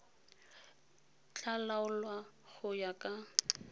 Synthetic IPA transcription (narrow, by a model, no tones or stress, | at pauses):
t͡ɬʼalaʊlwa | ɣʊjakʼa